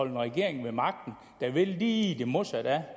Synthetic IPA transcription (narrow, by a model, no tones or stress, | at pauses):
ɒ̽l̰n̩ʁɛɡ̥e̝ɐ̰eŋ̩ʋemɑ̈ɡ̥̚d̥n̩ | d̥æʋe̝lːiːd̥e̝mosɑd̥æ